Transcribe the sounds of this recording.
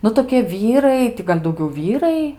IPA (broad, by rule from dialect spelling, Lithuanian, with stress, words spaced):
ˈnʊ toːkʲiɛ ˈʋʲiːrɐɪ ˈtʲɪ ɡɐlʲ dɐʊˈɡʲɛʊ ˈʋʲiːrɐɪ